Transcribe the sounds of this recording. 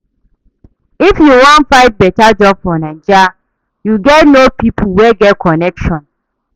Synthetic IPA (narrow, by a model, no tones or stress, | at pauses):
ifjuwɔ̃nfãɪt̚bɛtad͡ʒɔb̚fɔnãnd͡ʒa | juɡɛtnopipʰuwɛɡɛt̚kʰɔnɛkʃɔ̃n